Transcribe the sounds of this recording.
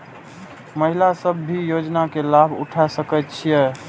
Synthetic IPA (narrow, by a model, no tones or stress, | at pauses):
məɦilasəbːijod͡ʒnakelabʱṵʈʰasəkət̪̚t͡ʃʰijɛ